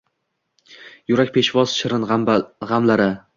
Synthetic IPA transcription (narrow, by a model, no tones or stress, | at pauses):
jʊɾak̚ʲpʰe̞ʃvɒz̥ʃɪɾɪnʁamlaɾɪ